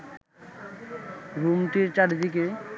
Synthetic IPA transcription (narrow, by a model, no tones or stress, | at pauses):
ɾumʈiɾt͡ɕaʈd̪ike